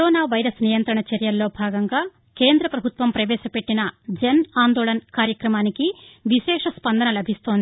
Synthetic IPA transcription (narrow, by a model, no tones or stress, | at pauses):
kɾoːnaːʋɐjɾɐsnijɐnt̪ɾɐɳɐt͡ʃɐɾjɐlːo̞ːbʱaːɡɐŋɡaː | ke̞ːnd̪ɾɐpɾɐbʱut̪ʋɐmpɾɐʋɛːʃɐpe̞ʈːinɐd͡ʒɐnaːnd̪oːɭɐnɐkaːɾjɐkɾɐmaːnikiʋiʃɛːʂɐspɐnd̪ɐnɐlɐbʱist̪o̞ːnd̪i